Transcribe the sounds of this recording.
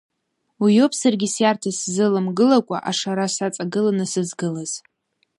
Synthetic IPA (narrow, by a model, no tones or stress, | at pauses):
wijo̞pʰʼsarɡʲisjartʰaszɨlɨmɡɨlakʷʼa̰ʔaʂaɾasat͡sʼaɡɨlanɨsɨzɡɨlaz̥